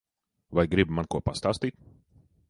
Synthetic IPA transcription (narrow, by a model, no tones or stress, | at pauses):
vajɡɾibmankuɔpast̪aːst̪iːt̪̚